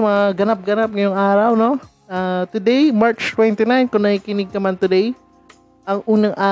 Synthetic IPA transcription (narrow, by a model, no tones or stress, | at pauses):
mɐŋaɡɐnap̚ɡɐnap̚ŋɐjoŋʔaːɾawno̞ | at̪ʊd̪ejmaɹt͡ʃt̪wɛnt̪ɪnajnkʊnɐhɪkɪnɪɡ̚kɐmant̪ʊd̪ej | ʔɐŋʔuːnɐŋʔaː